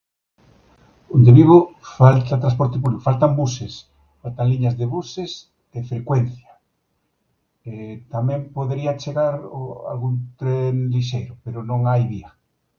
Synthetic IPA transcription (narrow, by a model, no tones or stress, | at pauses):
ond̪eβiβ̞ofalt̪at̪ɾas̬pɔɾt̪epuβliko̥falt̪ambuses | falt̪aŋliɲazðeβuses | efɾekwenθja | et̪amɛ̃mpoðeɾiat͡ʃeɣaɾa̰lɣunt̪ɾenliʃejɾʊpeɾʊnõŋajβia